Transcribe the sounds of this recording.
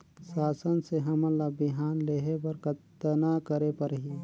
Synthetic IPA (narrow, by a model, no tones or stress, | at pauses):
saːsənseɦɐmə̃labɪɦaːnleɦepɐɾkət̪ːənakəɾepɐɾɦi